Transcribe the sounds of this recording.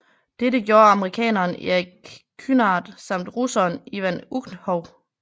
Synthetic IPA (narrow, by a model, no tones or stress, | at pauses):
d̥eɾəɡ̥jo̝ːɐɑ̈məʁikʰɛ̰ːnɐːnḭiɡkʰːynɑ̈ːd̥sɑ̈m̰d̥ʁusɐːniʋænuɡ̥nhɒʊ